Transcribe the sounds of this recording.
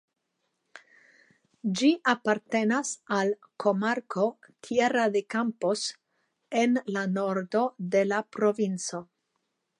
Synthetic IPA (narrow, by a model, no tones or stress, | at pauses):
d͡ʒiʔapaɾt̪e̞nasal | kʰo̞maɾkʰo̞t̪ʰjeɾad̪e̞kampos | e̞nlano̞ɾd̪o̞d̪e̞lapɾo̞vint͡so̞